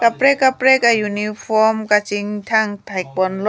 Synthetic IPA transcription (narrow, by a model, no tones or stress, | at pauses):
kapɾekːapɾekajunipʰɔmkat͡ʃiŋt̪ʰaŋt̪ʰajk̚bɔnlɔ